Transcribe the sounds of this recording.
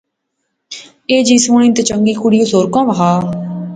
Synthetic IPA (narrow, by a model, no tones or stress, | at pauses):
eːd͡ʒiːsõːñĩːt̪et͡ʃəŋɡiːkʊɽiːosoːɾkãːʋəɦaː